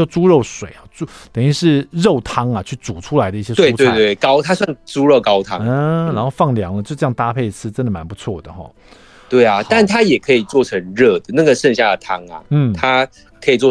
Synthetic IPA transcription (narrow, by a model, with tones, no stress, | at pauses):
o˥˩t͡su˦˥ɻo˥˩ʊʂwe˨˩˦ɪɔ˥˩t͡su˥˩t̪ə˨˩ŋy˥˧ʂɻ̩˥˧ɻo˥˩ʊt̪ʰɑ˥ŋa˨t͡ɕʰy˥˩t͡su˨˩ʈ͡ʂʰu˥la˧ɪə˦i˥˩ɕjɛ˥t̪e˥˩˥we˥˧ɪt̪we˥˩kɑ˦˥ʊt̪ʰa˥swa˥˩nʈ͡ʂu˥ɻo˥˩ʊkɑ˥ʊt̪ʰɑ̰˦ŋ̩˥˩ɻa˧˥nxo˥˧ʊfɑ˥˩ŋljɑ˧˥˦ŋlə˧t͡ɕo˥˧ʊʈ͡ʂjɑ˥˩ŋt̪a˥pʰe˥˩ɪt͡sʰɹ̩˥ʈ͡ʂə˧˦nd̪ə˨ma˧˦npu˧˦t͡sʰwɔ˥˩d̪ə˩xɔ̰˥˩ | t̪we˥˩ɪa˩t̪a˥˩nt̪ʰa˥jɛ˨˩kʰɤ˧˥i˨˩t͡swɔ˥˩ʈ͡ʂʰə˧˥ŋɻɤ˥˩d̪ə˩na˥˩ɡə˩ʂə˥˧nɕja˥˩d̪ə˩t̪ʰɑ˥ŋa̰˨n̩˥˩t̪ʰa˦ | kʰɤ˧˥i˨˩t͡swɔ˥˨˩